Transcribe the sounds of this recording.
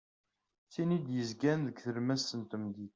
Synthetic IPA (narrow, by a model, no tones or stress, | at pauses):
θinid̪jəzɡænðəɡθəɾmæsənt̪əmd̪i